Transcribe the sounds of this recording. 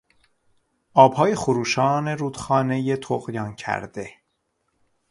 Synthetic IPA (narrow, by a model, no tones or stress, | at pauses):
ʔɒːb̥hɒːjexoɾuːʃɒːne̞ɾuːd̪xɒːne̞jet̪ʰoɣjɒːncʰæ̰ɾd̪e̞